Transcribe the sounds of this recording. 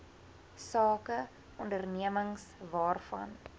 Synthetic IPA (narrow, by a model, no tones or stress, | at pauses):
sɑːkə | ʔɔndərniəməŋsvɑːrfɐ̰n